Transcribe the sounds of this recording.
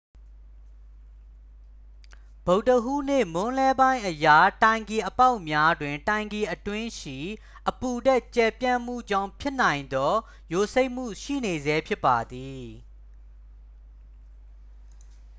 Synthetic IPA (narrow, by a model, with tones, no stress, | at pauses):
b̥o˨ʊʔtəɦṵ˦˨n̥ḛ˦˨mʊ̃˦lɛ˦bã˦ɪ̃ʔəja˨tã˨ɪ̃ŋɡe˨ʔəpa˦ʊʔmja˦dwɪ̃˨ntã˨ɪ̃ŋɡe˨ʔətwɪ̃˦ʃḭ˦˨ | ʔəpu˨dɛ˦˨t͡ɕɛ˨pjã̰˦˨mm̥ṵ˦˨d͡ʑã˦˨ʊ̃pʰjɪ˦n̥ã˨ɪ̃nd̪ɔ˦ | jo˨se˦ɪʔm̥ṵ˦˨ʃḭ˦˨ne˨zɛ˦pʰjɪ˦pːa˨d̪i˨